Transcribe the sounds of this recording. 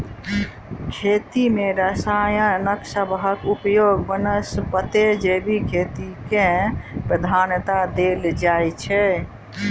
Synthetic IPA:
kʰet̪imeɾəsajənəksəbʱɦəkupjoɡbənəsbət̪ed͡ʒebʱikʰet̪ikẽpɾəd̪ʱaːnjət̪ad̪eld͡ʒajt͡ʃʰɛ

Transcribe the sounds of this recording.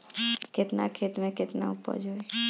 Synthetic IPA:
ket̪nakʰet̪mẽket̪na̰upə̰ɾd͡ʒʱoe

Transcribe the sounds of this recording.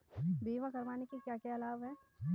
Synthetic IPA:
d̪iːʋãkɐɾʋaːnekikjaːkjaɐlaːbɦɛː

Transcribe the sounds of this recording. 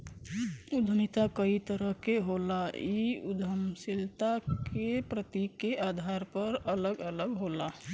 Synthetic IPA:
ud̪ʱəmit̪akəit̪əɾəɦkeɦolaiud̪ʱəmsilt̪akepɾət̪ikeʔad̪ʱaɾpəɾələɡələɡɦola

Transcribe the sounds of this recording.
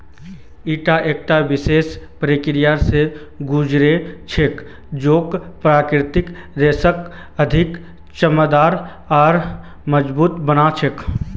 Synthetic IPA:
iːʈaʔeːk̚ʈaʋɪseːspɾekɪɾijaɾse | ɡuːd͡ʒɾet͡ʃʰek | d͡ʒoːkpɾaːkɾɪt̪ɪkɾeːsək | əd̪ʱɪk | t͡ʃəməd̪aːɾ | ɔːɾ | məd͡ʒbuːt̪bənat͡ʃʰek

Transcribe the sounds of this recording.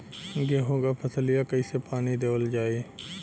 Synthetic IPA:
ɡeɦoːɡapʰɐsəlijakɐisepaːnid̪eːʋəld͡ʒaːe

